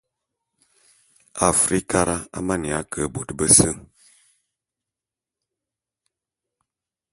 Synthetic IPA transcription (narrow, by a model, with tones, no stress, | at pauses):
a˨fɾi˦ka˦ɾʔa˦a̰˦ma˦˨ni˨a˨˦kʰə˨bu˨tbə˦sə˦